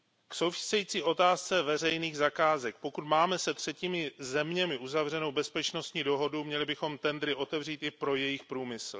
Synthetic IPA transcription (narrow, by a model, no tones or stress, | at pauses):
kso̞wfɪ̥sɛjiːt͡siːʔo̞t̪aːst͡sɛvɛr̝ɛjniːɣzakaːzɛk̚po̞kut̪maːmɛsɛt̪r̝̥ɛciːmɪzɛmɲɛmɪʔuzavr̝ɛno̞wbɛspɛt͡ʃno̞st̪ɲiːdo̞ɦo̞dumɲɛlɪbɪxo̞mt̪ɛnd̪ɾɪʔo̞t̪ɛvr̝iːt̪ʔɪpɾo̞jɛjɪxpɾuːmɪsl̩